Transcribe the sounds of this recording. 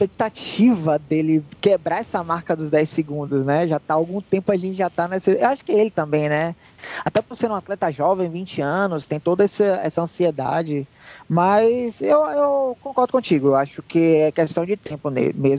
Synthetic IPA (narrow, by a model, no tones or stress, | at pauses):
spek̚t̪at͡ʃivɐd̪elɪkebɾaɛsɐmaɾkɐd̪ʊzd̪ɛjsɪɡũnd̪ʊsnɛʒat̪aawɡũt̪ẽmpʊaʒẽt͡ʃɪʒat̪anesɪewaʃʊ̥kɪelɪt̪ɐ̃mbẽj̃nɛ | at̪ɛpoɾsẽɾũat̪lɛt̪ɐʒɔvẽj̃vĩt͡ʃɪɐ̃nʊst̪ẽj̃t̪od̪ɐɛsɐɛsɐɐ̃sied̪a̰d͡ʒɪ | mɐzewewkõkɔɾd̪ʊkõt͡ʃiɡʊewaʃʊkɪɛkest̪ɐ̃w̃d͡ʒɪt̪ẽpʊnḛmezm